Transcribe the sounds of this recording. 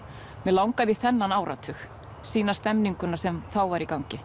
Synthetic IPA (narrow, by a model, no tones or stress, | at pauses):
mɛlawŋkaðiθɛnːanaːwɾʔa̰t̪ʰʏx | siːnast̪ɛmniŋkʏnasɛmθawvaɾikawŋcɪ